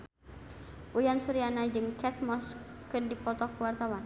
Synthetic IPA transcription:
ʔujansuɾianad͡ʒɨŋkɛt̪mɔskɨndipɔt̪ɔkəwart̪awan

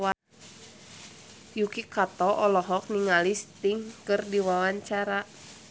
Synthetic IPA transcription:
a | jukikat̪ɔʔɔlɔɦɔk̚niŋalist̪iŋkɨrdiwawaɲt͡ʃaɾa

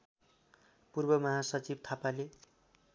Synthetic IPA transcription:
purbʌmʌɦasʌt͡sib̚t̪ʰapale

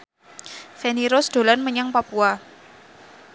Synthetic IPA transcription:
feniɾɔsd̪̥o̤lanməɲaŋpapua

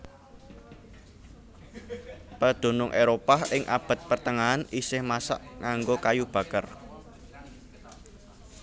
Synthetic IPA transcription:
pəd̪̥o̤nʊŋʔeɾopahɪŋʔa̰b̥a̤t̪̚pərt̪əŋaanisɪhmasa̰ʔŋaŋɡokajub̥a̤kər

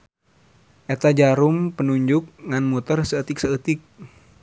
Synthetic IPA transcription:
ʔɛt̪ad͡ʒaɾumpənuɲd͡ʒʊk̚ŋanmut̪ərsəət̪ɪk̚səət̪ɪk̚

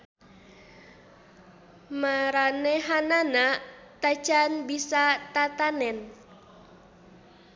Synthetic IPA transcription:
maɾanɛɦanana | t̪ḁt͡ʃanbisat̪at̪anɛn

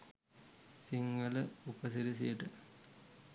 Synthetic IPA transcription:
siŋːɐlɐupɐsiɾis̬iɐʈɨ

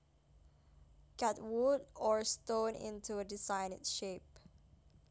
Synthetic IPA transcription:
kʰatwudɔɹstõnɪ̰̃ntʰuədɪsaɪnɪ̰tʃep̚

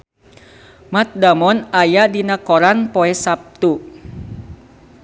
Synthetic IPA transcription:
mat̪̚damɔnajadinakɔɾanpɔɛsap̚t̪u

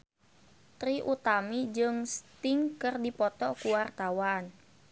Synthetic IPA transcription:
t̪ɾiʔut̪amid͡ʒɨŋst̪iŋkɨrdipɔt̪ɔkuwart̪awan

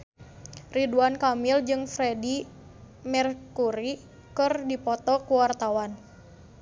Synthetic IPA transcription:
riduankamild͡ʒɨŋfɾɛdi | mɛrkuɾi | kɨrdipɔt̪ɔkuwart̪awan

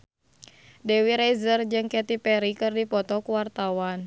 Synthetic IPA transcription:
dɛwiɾɛjzərd͡ʒɨŋkɛt̪ipɛɾikɨrdipɔt̪ɔkuwart̪awan

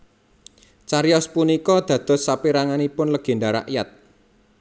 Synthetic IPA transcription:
t͡ʃaɾiɔspunikɔd̪̥ä̤d̪̥ɔ̤sapiɾaŋanipʊnləɡ̥e̤ɳdaɾa̰ʔjat̪̚

